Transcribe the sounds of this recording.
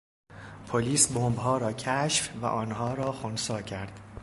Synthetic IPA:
pʰoliːsbombɦɒːɾɒːcʰæʃfvæ̰ʔɒːnɦɒːɾɒːxonsɒːcʰæɾd̪̥

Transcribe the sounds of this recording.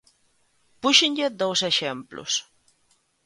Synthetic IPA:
puʃɪɲʎɪðowseʃemplʊ̰s

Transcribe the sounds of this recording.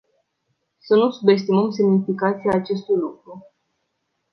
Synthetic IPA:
sənusube̞s̬t̪iməmsemnifikat̪siaːt͡ʃe̞st̪ujlukɾu

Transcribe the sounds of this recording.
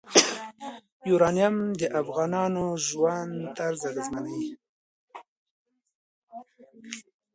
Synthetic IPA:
juɾɑnijamd̪əʔafɣɑnɑnoʒwand̪t̪aɾzaɣəzmana

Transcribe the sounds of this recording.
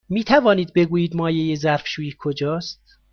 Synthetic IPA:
miːt̪ʰævɒːniːd̪̚be̞ɡuːjiːd̪mɒːjejezæɾfʃuːiːkʰod͡ʒɒːst̪̚

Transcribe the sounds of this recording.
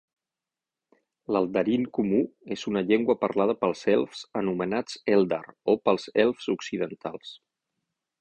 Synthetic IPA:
ləlˠd̪əɾiŋkumuezunəʎeŋɡwəpəɾlað̞əpəlˠzɛlˠfzənumənat͡sɛlˠd̪a̰ɾopəlˠzɛlˠfzuksiðənt̪alˠs

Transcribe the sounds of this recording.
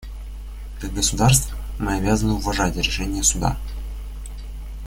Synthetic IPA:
kaɡəsʊd̪arst̪v | mɨɐbʲazənɨʊvɐʐatʲɾʲɪʂɛnʲɪjəsʊd̪a̰

